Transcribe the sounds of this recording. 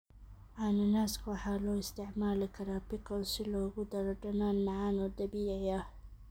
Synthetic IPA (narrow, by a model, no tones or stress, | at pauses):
ʕanɐnaːskʰwɑħaːlɔːɪst̪ʰɪʕmaːlɪkʰɐɾaːpɪkʰɔsɪlɔːɣʊd̪ɐɾɔɖɐnaːnːɑʕaːnɔːd̪ɐbiːʕɪjah